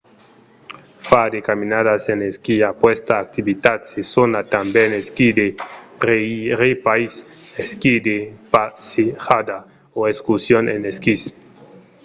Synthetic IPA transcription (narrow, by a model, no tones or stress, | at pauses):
fad̪ekaminadaseneskiapwest̪aːk̚t̪ibit̪at̪sesonat̪ambeneskid̪eɾeiɾepais | eskid̪epasexad̪a | oeskusjonḛneskis